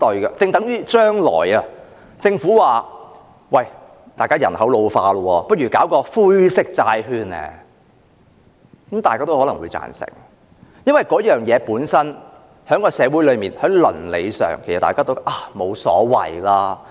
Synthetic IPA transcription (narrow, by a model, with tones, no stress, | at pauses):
t̪ɔ˧ɥkɐ˧t͡sɪ˧ŋt̪ɐ˨˥ŋjyː˥t͡ʃœː˥ŋlɔ̰ː˨˩jɐ˧ | t͡sɪ˧ŋfuː˨˥waː˨ | wɐ˨˩j | t̪aː˨jkaː˥jɐ˨˩nhɐ˨˥wlo˧wfaː˧lɔ˧wɔː˧pɐ˥t̚ɥyː˨˩kaː˨˥wkɔː˧fuː˥jsɪ˥k̚t͡saː˧jɦyː˧nɛ̰˧ | kɐ˨˦mt̪aː˨jkaː˥t̪o˥whɔː˨˥lɐ˨˩ŋwṵː˨˧jt͡sa̰ː˨˩nsɪ̰˨˩ŋ˨ | jɐ˥nwɐ˨˩jkɔː˨˥jœː˨ŋjɛː˨˧puː˨˥nsɐ˥n | hœː˨˥ŋkɔː˧sɛː˨˧wu˨˥jlɵ˨˧miː˨˩nhɐ˨˥ŋlɵ̰˨˩nlḛ˨˧jsœ̰ː˨˩ŋkʰe˨˩sɐ˨t̪aː˨kaː˥t̪o˥ʔaː˧˩mo˨˧wsɔ̰ː˨˥wɐ̰˨jlaː˥